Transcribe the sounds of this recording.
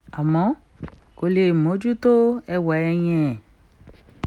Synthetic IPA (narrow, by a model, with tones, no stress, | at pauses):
a˨mɔ̃˨˦ | ko˧le˧˨mõ˨˦d͡ʒu˦to˦ɛ˧wɔ˨˦ɛ˧j̃ɛ̃˦˧˨